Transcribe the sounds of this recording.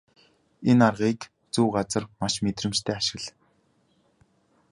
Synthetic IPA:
enarʁiːk | t͡suːɢat͡sə̆rmaʃmet̪rɘ̆mt͡ɕt̪ʰeːaʃɪ̆ɣɮ

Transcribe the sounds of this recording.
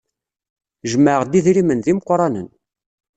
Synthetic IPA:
ʒmːəʁd̪iðɾimənðimqːɾˤɑnə̰n

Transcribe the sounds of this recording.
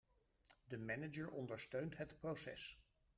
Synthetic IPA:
dəmɛnəd͡ʒəɹʔɔndəɹstøɥntɦətprowsɛ̰s

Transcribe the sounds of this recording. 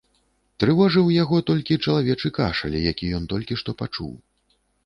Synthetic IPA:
t̪ɾɨvɔʐɨwjaɣɔt̪ɔlʲkʲit͡ʂɐlˠavʲɛt͡ʂɨkaʂɐ̰lʲɛjakʲijɔnt̪ɔlʲkʲiʂt̪ɔpat͡ʂṵw

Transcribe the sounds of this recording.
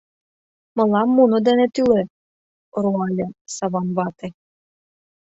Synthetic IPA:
mɤ̆lˠɑmːunɤ̆d̪enet̪yle | ɾuɑlʲɤsɑβɑnβɑt̪ĕ

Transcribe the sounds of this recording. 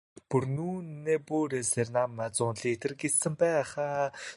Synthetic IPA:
purnuːnːeːpuːɾeːsernamːat͡sʊːnɮiːt̪ɘ̆rɡet͡ssɘ̆mpæːχaː

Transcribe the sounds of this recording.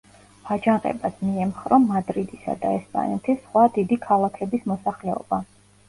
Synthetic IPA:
v̥ad͡ʒaŋqʼɛ̰basmiɛmχɾɔmad̪ɾid̪isa̰d̪aɛspʼa̰nɛt̪ʰisχwad̪id̪ikʰalˠakʰɛbismɔsaχlɛɔ̰b̥a

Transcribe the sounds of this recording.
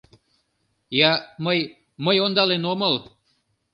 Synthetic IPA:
jɑməj | məjond̪ɑlenoməl

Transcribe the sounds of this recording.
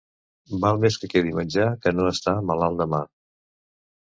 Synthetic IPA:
balˠmeskəkeðimənʲd͡ʒakənoəst̪aməlalˠd̪əma

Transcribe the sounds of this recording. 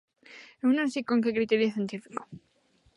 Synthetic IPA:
eunõnsikoŋkekɾit̪eɾjoθjent̪ifi̥ko̥

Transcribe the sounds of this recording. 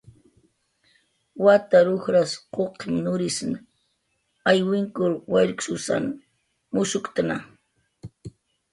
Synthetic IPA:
wat̪aɾʊxɾasqoqʰɪmnʊɾɪsn | ajwɪŋkʊɾwaɾksʊsa̰n | mʊsʊkt̪ana

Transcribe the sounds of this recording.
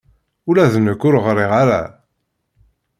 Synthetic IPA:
ulæðnəkːʊɾʁɾˤiʁaɾa̰

